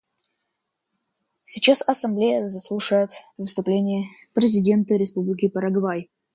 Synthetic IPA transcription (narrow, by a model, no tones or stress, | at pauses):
sʲɪt͡ɕasɐsɐmblʲejəzɐslˠuʂəjət̪vɨst̪ʊplʲenʲɪjə | pɾʲɪzʲɪdʲe̞nt̪əɾʲɪspublʲɪkʲɪpəɾɐɡvaj